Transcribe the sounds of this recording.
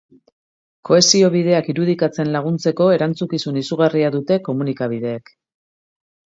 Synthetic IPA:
ko̞e̞sio̞β̞iðe̞akiɾuðikat͡se̞nlaɣ̞unt͡se̞ko̞e̞ɾant͡sukisunisuɣariaðut̪e̞ko̞munikaβ̞iðe̞ːk

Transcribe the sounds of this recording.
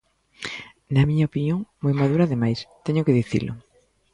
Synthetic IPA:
nɐmiɲaopinjoŋmojmaðuɾaðemajst̪eɲʊkeðiθḭlʔʊ̰

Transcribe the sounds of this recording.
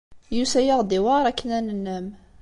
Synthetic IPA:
jusæjəʁd̪iwɑɾˤækːənænənːəm

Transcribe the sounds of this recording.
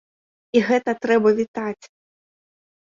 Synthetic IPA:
iɣɛt̪ɐt̪ɾɛbɐvʲit̪at͡sʲ

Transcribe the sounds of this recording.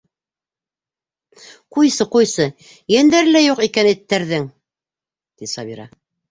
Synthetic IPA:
qujsɤqujsɤ | jænd̪æɾlæjuqikænɘ̆t̪ːæɾðɘŋ | t̪isɑβiɾɑ̰

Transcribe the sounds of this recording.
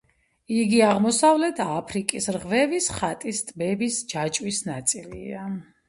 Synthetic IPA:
iɡiaʁmɔsavlɛt̪ʰapʰɾikʼisɾʁvɛvisχat̪ʼist̪ʼbɛbisd͡ʒat͡ʃʼwisnat̪sʼilḭa

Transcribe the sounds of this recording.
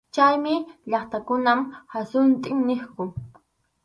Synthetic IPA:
t͡ʃajmɪʎɑχt̪akʊnamhasʊnt̪ʼɪŋnɪχkʊ

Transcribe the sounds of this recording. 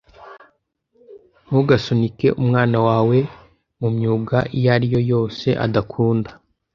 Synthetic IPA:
nuɡasonike̞̰ʔumŋaːnawaːwe̞ | mumɲuːɡaʔijaɾijo̞jo̞ːse̞ʔa̰dakʰuːndḁ

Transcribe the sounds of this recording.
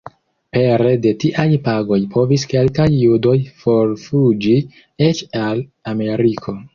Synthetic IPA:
pe̞ɾe̞de̞tiʔajpaɡo̞jpʰo̞viske̞lkajːudo̞jfo̞ɾfud͡ʒi | et͡ʃalame̞ɾikʰo̞

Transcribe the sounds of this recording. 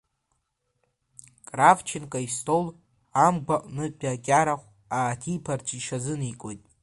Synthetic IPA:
kʼravt͡ʃʰɪnkʼaistʰol | amɡʷaʔʼnɨbʲʼakʲʼaɾaχʷ | aːtʰipʰart͡ʃʰʼiʃazɨnikʼo̞jtʼ

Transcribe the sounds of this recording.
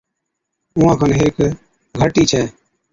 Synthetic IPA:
ʊãːkʰaːnɦeːk | ɡʱəʈiːt͡ʃʰɛː

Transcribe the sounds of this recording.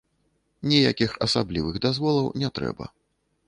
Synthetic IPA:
nʲijakʲixɐsablʲivɨɣd̪azvɔlˠɐwnʲɛt̪ɾɛ̰bɐ̰

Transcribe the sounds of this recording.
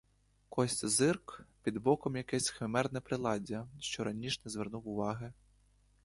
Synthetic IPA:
kɔsʲtʲzɪrkpʲid̪bɔkɔmjɐkɛsʲxemɛrnɛpɾɪlˠɑdʲɐʃt͡ʃɔɾʔɐnʲiʃnɛzʋɛrnuwʊʋɑɦɪ

